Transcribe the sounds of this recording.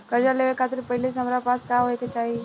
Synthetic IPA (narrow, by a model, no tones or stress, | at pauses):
kəɾd͡ʒaleʋekʰaːt̪ɪɾpɐɦɪles̬ɦɐmɾapaːskaɦoeket͡ʃaːɦi